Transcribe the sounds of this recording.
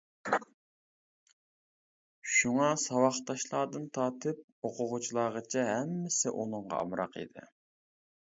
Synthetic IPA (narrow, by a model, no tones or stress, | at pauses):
ʃuŋɑsɑwɑχt̪ɑʃlˠɑːd̪ɨnt̪ʰɑːt̪ʰɨp̚ | oqʰʊʁʊt͡ʃʰilˠɑːʁət͡ʃʰɛɦɛmːɪsɪʔunɨɴʁɑ̰ɑ̰mɾɑ̰qḭd̪ɪ̰